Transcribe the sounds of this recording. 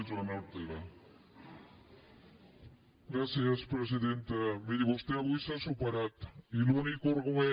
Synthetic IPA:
t͡soenawɾt̪eɾa | ɡɾasiaspɾes̬iðent̪emiðiβost̪eaβojsasupaɾat̪ilunikoɾɣoe

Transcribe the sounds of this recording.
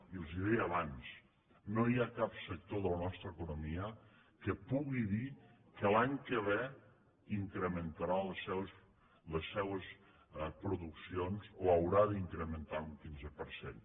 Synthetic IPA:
iəlˠziðɛəβans | nojakapsək̚t̪oðələnɔst̪ɾəːkunumiə | kəpuɣiðikəlaɲkəβe | iŋkɾəmənt̪əɾaləsɛws | ləsːɛwəs | pɾuðuksionzoəwɾaðəiŋkɾəmənt̪auŋkinzəpəɾsḛn

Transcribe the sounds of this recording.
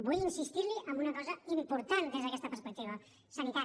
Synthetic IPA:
bujinsist̪iɾliʔəmbunəkɔzəimpuɾt̪and̪ezðəkɛst̪əpəɾspək̚t̪iβ̞ə | sənit̪a

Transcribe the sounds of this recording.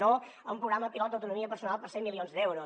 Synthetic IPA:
o | əumpɾuɣɾaməpilɔt̪d̪əwt̪unumiəpəɾsunalˠpəɾsemːilionzd̪ɛwɾo

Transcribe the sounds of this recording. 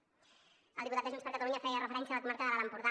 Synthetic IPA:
əld̪iput̪ad̪əʒunspəɾkat̪aluɲafɛjərəfeɾɛnsjalakumaɾkaðəlalampuɾða

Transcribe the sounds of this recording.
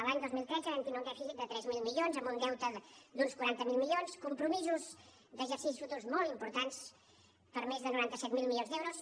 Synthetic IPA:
əlaɲd̪ozmilˠt̪ɾɛzəβɛnt̪inoŋkɛfizik̚d̪ət̪ɾɛzmilˠmilionzəmbund̪ɛwt̪əd̪unskwuɾant̪əmilˠmilonskumpɾumizuz | d̪əʒəɾsis̬isfut̪urzmɔlˠimpuɾt̪ans | pəɾmezðənuɾant̪əsɛt̪milˠmilijonzd̪ɛwɾus

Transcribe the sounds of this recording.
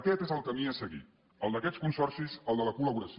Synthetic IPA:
kɛt̪ezəlˠkəmiəsəɣḭt̪ | əlˠd̪əkɛt͡skunsɔrsizəlˠd̪ələkuləβuɾəs

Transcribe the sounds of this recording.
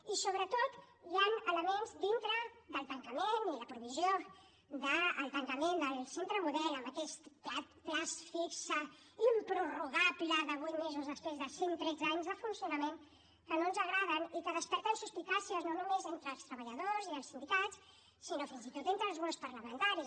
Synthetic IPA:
isoβɾət̪ot̪ | janələmenzd̪int̪ɾəðəlˠt̪əŋkəmeniləpɾuβizio | ðəːlˠt̪əŋkəmend̪əlˠsent̪ɾəmuðɛləmbəkɛst̪plat̪plasfiksə | impɾuruɣapiləðəβujt̪mezuzðəspɾezðəsiŋt̪ɾɛd͡zaɲzðəfunsiunəmen | kənonzəɣ̞ɾað̞ənikəð̞əspɛɾt̪ənsuspik̪asiəznonumezent̪ɾəːlˠst̪ɾəβəʎəðoziəlˠsind̪ikat͡s | sinofinzit̪ot̪ent̪ɾəlˠzβɔwspəɾləmə̃nt̪aɾi

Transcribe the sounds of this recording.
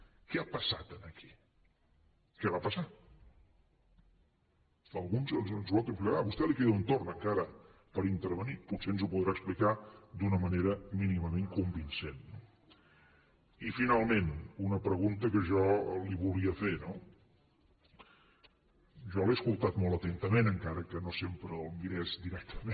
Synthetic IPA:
kɛapəsat̪ənəkʰi̥ | kɛβapəsa | əlˠɣunzənzənzwalˠt̪ɾuŋklɾaβust̪ɛlikeðunt̪ornəŋkaɾəpəɾint̪əɾβəniputseənzupuðɾaəksplikad̪unəməneɾəminiməmeŋkumbinsenːo | ifinalˠmenunəpɾəɣunt̪əkəʒɔliβulˠiəfeno | ʒɔleəskulˠt̪at̪mɔlˠt̪ət̪ent̪əmenəŋkaɾəkənosempɾəəlˠmiɾɛzd̪iɾɛk̚t̪əme

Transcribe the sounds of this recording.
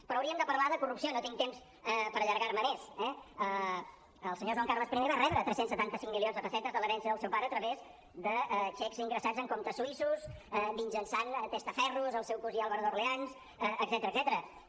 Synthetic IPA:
pɾɔəwɾiəmd̪əpəɾlaðəkurupsionot̪iŋt̪ems | ɛpəɾəʎəɾɣaɾməmesɛə | əlˠsəɲoʒwaŋkarləspɾimeβarɛβɾət̪ɾɛsensət̪ant̪əsiŋmilionzðəfəsɛt̪əzðələɾɛnsiəðəlˠsɛwpaɾəːt̪ɾəβez | d̪ət͡ʃɛkziŋɡɾəsazəŋkomt̪əsuisusɛbinʲʒənsant̪est̪əfɛruzəlˠsɛwkuzialβəɾðorleans | ɛəɡzɛt̪əɾəːɡzɛt̪əɾə

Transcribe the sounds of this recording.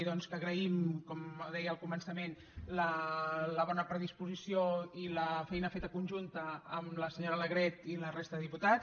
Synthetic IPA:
ðɔnskəːɣɾəimkɔmðɛjəlˠkumənsəmen | lələβ̞ɔnəpɾəðispuzisioiləfɛjnəfet̪əkunʲʒunt̪əːmləsəɲoɾələɣɾɛt̪ilərest̪əðəðiput̪a

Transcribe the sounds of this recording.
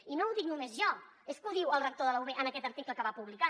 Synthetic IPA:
inouðik̚numezʒɔ | eskuðiwəlˠrək̚t̪oðələuβeʔənəkɛt̪əɾt̪ikləkəβapuβlika

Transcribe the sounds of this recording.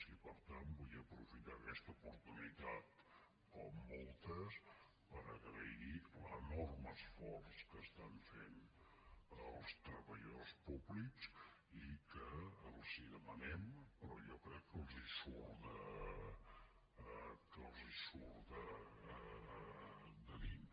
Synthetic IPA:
sipəɾt̪ambujəpɾufit̪akɛst̪əupuɾt̪unit̪at̪ | kɔmːɔlˠt̪əs | pəɾəɣɾəilənɔrməsfɔrskəst̪aɱfen | əlˠst̪ɾəβəʎospubliks | ikəəlˠziðəmənɛmpəɾɔ̰ʒɔkɾɛkːəlˠzisuɾðə | kəlˠzisuɾðə | d̪əðin

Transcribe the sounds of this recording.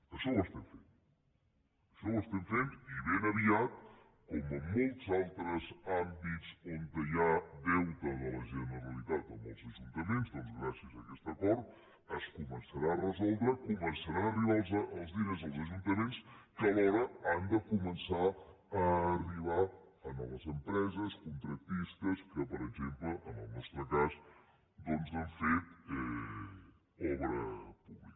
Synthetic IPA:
əʃɔwəst̪ɛɱfen | əʃɔwəst̪ɛmfent̪iβenəβiat̪̚ | kɔməmolˠt̪zalˠt̪ɾəzambit̪t͡sont̪əjadɛwt̪əðələʒənəɾəlit̪at̪əmə̰lˠzəʒunt̪əmenzd̪ɔnzɣɾasiəzəkɛst̪əkɔɾt̪̚ | əskumənsəɾaərəzɔlˠd̪ɾəkumənsəɾaəriβalˠzəʔəlˠzðiəzəlˠzəʒunt̪əmenskəlɔɾəand̪əkumənsa | əːriβ̞a | ənɔ̰ləzəmpɾɛzəskunt̪ɾək̚t̪ist̪əskəpəɾəɡzempləʔənə̰lˠnəst̪ɾəkaz | d̪ɔnzðəɱfet̪ɛ | ɔβɾəpuβlik

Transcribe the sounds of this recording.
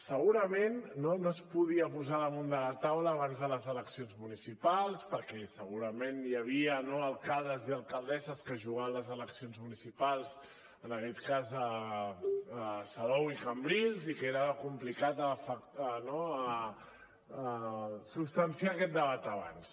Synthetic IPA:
səɣuɾəmenːonoəspuðiəpuzaðəmund̪əlat̪awləːβanzðələzələksionzmunisipalˠspəɾkɛsəɣuɾəmenjəβ̞iənoəlˠkalˠd̪əziəlˠkəlˠd̪ɛzəskəʒuɣaənləzələksionzmunisipalˠz | ənəkɛt̪kazə | salɔwikəmbɾilˠzikeɾəkumplikat̪əfəənoə | supst̪ənsiaːkɛt̪̚d̪əβat̪əβa̰ns

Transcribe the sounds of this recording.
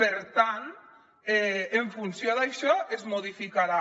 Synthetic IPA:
peɾt̪ant̪ | ɛeɱfunsjoðajʃɔʔezmoðifikaɾa

